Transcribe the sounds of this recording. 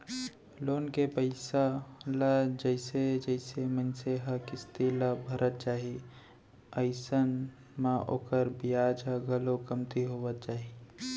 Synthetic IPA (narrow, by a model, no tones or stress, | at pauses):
loːnkepəɪsaləd͡ʒəɪsed͡ʒəɪsemənseɦəkɪst̪iləbʱəɾʔət̪̚t͡ʃaːɦii | əɪsən | mãʔo̰ːkəɾbijaːd͡ʒəɡʱəlokəmt̪iɦoːʋət̪̚t͡ʃaːɦi